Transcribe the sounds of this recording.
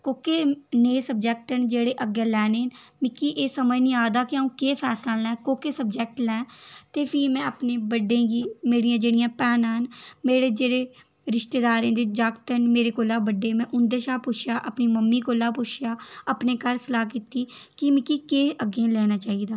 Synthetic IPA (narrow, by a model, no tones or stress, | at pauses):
koːkeːneːsəb̚d͡ʒɛːk̚ʈənd͡ʒeːɽeːʔəɡẽːlɛːneːnmɪkiːʔeːsəməjnĩːaːd̪aːkiaũːkeːpʰɛːslãːlɛ̃ːkoːkeːsəbd͡ʒɛːk̚ʈlɛ̃ːt̪eːpʰiːmɛ̃ːəpneːbəɖːẽːɡiːmeːɽijãːd͡ʒeːɽijãːpɛːnːɦənmeːɽeːd͡ʒeːɽeː | ɾɪʃt̪eːd̪aːɾẽːd̪eːd͡ʒaːkt̪ənmeːɾeːkoːlaːbəɖːeːmɛ̃ːʔʊnd̪eːʃaːpʊt͡ʃʰjaːʔəpniːməmːiːkoːlaːpʊt͡ʃʰjaːəpneːkəɾsəlaːk̬iːt̪iːkɪmɪkːiːkeːʔəɡẽːlɛːnaːt͡ʃaːiːd̪aː